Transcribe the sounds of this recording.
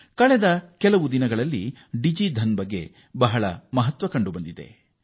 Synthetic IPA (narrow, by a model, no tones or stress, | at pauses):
kɐɭɛd̪ɐkɛlɐʋud̪inɐɡɐɭɐlːiɖid͡ʒid̪ʱɐnbɐɡːe̞̰ | bɐɦɐɭɐmɐɦɐt̪ʋɐkɐɳɖubɐnd̪id̪e̞̰